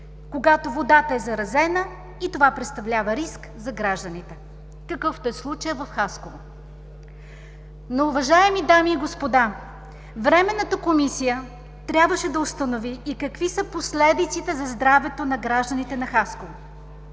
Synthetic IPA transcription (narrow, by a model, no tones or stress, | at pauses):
koɡat̪ovod̪at̪əɛzɐɾɐzɛnə | it̪ovapɾɛt̪st̪ɐvlʲavɐɾisk | zɐɡɾaʒd̪ənit̪ɛ | kɐkɤft̪oɛslˠut͡ʃəjəvɐfxaskov | nouvɐʒaɛmid̪amiːɡospod̪a | vɾɛmɛnːət̪əkomisijə | t̪ɾʲabvəʃɛd̪ɐost̪ɐnoviːkɐkvisəposlɛd̪it̪sit̪ɛzɐzd̪ɾavɛt̪onɐɡɾaʒd̪ɐnit̪ɛnɐxaskov